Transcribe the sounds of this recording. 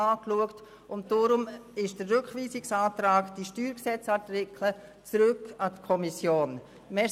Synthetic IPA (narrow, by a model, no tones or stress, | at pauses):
ɑːkluəkt | ʊnt̚dɔːɾʊmɪʃd̥ərrøkʋiːsɪksaːtɾaːkd̥iʃtyːɾksɛt͡sɑtɪkʰlə | t͡sɾʏkːɑtkʰɔmisjoːn | mɛ